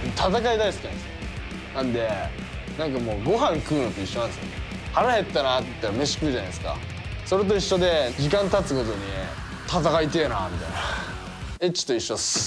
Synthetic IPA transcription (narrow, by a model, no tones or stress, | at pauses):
t̪at̪akaid̪aisɨ̥knãs | nãnd̪e̞ | nãŋk̬amo̞ːɡo̞ɦãŋkɯ̟ːno̞t̪o̞iɕːo̞nãnesjo̰ne | haɾahe̞t̪ːanat̪t̪ːame̞ɕi̥kɯiʑanaisɨ̥ka̰ | so̞ɾet̪̬o̞iɕːo̞d̪e̞d͡ʑikãnt̪at͡sɨko̞t̪o̞ɲ̟i | t̪at̪akait̪e̞ːna̰mʲit̪a̰jna | e̞t͡ɕːi̥t̪oiɕːo